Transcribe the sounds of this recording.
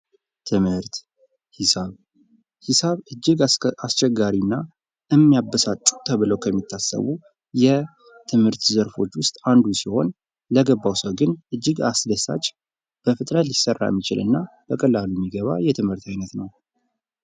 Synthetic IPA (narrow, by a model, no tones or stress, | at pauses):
t̪ʰɨmhɨɾt̪ | hsaβ | hisaβɨd͡ʒːɨɡast͡ʃɛɡːaɾinːa | ɨmːijabəsat͡ʃʼu̥t̪ʰəβɨləwkʰəmːit̪ʰːasə̰βu | jɛ | t̪ʰɨmhɨɾt̪zəɾfo̞t͡ʃːwʊst̪ʼand̪usiho̞n | ləɡəbːawsəwɡɨnʔɨd͡ʒːɨɡasd̪əsa̰t͡ʃʼ | b̥əfɨt̪ʼɾət̪lɪsərːa̰jɛ̰mːit͡ʃɪlɨ̰nːa | b̥əkʼəlːalumːiɡəβa̰jɛt̪ʰɨmhɨɾt̪ajnət̪nəw